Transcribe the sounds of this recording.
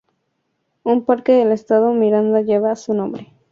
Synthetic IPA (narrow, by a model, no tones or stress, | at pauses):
umpaɾkeðelest̪aðomiɾand̪aʝeβasunõmbɾe